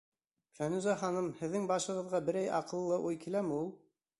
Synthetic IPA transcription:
fænʉzæχɑnɤmhɘ̆ðːɘŋbɑʃɤ̆ʁɤ̆ðʁɑbɘ̆ɾæjɑ̰qɤ̆lˠːɤʔujkilæmɘulˠ

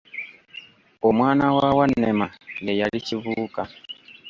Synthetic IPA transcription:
ɔmwanawawanɛmalɛjalit͡ʃiβuka

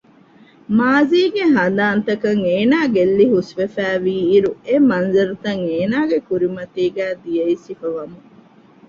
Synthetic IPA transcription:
maːziːɡeɦɐd̪aːnt̪ɐkɐŋeːnaːɡelːiɦusʋefæːʋiːɾuemɐnzɐɾut̪ɐŋeːnaːɡekuɾimɐt̪iːɡæːd̪ijɐisifɐʋɐmu

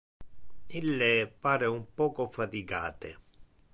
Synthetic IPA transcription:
ilːepaːɾeumpɔːkofat̪iɡa̰ːt̪e

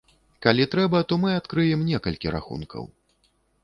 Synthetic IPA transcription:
kalʲit̪ɾɛbɐt̪ɔmɨat̪kɾɨjɛmnʲɛkɐlʲkʲiɾa̰xṵnkʰɐ̰w

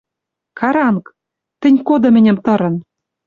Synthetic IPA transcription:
kɑɾɑŋk | t̪ɘ̆nʲkod̪ɤ̆mɘ̆nʲɘ̆mt̪ɤ̆ɾɤ̆n

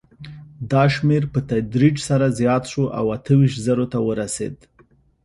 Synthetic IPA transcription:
d̪ɑʃmeɾpət̪ad̪ɾid͡ʒsaɾazjɑt̪ʃoʔa̰wat̪əwiʃt̪zaɾot̪awəɾasḛd̪

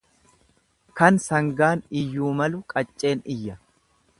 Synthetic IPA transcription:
kɐnsɐŋɡaːnɪjːuːmɐlʊkʼɐt͡ʃʼːe̞ːnɪjːɐ

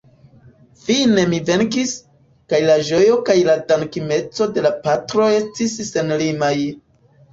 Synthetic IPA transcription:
fine̞mive̞ŋkis | kajlaʒo̞jo̞kajladankime̞t͡so̞de̞lapatɾo̞e̞stisːe̞nlimaj

